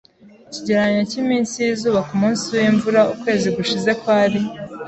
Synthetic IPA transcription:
ciɟe̞ɾaɲacimiːnsijizuːβakumuːnsiwiɱvuɾaukwe̞ːziɡuʃize̞kwaːɾi

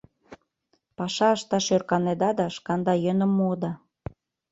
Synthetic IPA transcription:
pɑʃɑəʃt̪ɑʃørkɑned̪ɑd̪ɑʃkɑnd̪ɑjønə̆mːod̪ɑ

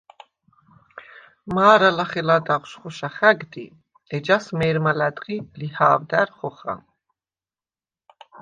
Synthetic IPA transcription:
maːɾalaχɛlad̪aʁʃχɔʃaχæɡd̪ḭ | ɛd͡ʒasmɛːɾmalæd̪ʁilihaːvd̪æɾχɔχa̰m

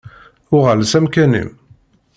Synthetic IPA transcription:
ʊʁəlsæmkænḭm

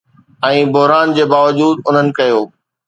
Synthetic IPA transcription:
ɛ̃ːbʊɦɾaːnd͡ʑeːbaːʋəd͡ʑuːd̪ʊn̤ənɪ̆kɐjoː

